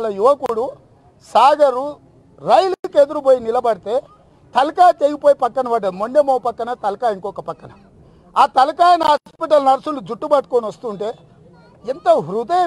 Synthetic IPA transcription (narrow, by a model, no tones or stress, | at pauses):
lɐjuʋɐkuɽu | saːɡɐɾu | ɾɐjliked̪uɾuboːjinilɐbɐɽit̪e̞ː | t̪ɐlɐkaːt͡ʃ̪eːjipoːjipɐkːɐɳɐʋɐːɖɐmoɳɖemoːpɐkːɐnɐt̪ɐlɐkaːjiŋkɔːkɐpɐkːɐnɐ | aːt̪ɐlɐkaːjɐnɐɦaːspiʈɐlnɐɾɐsulud͡ʒuʈːubɐʈ̚koːniʋɐst̪uɳʈe̞ː | ent̪ɐɦuɾud̪ɐjɐ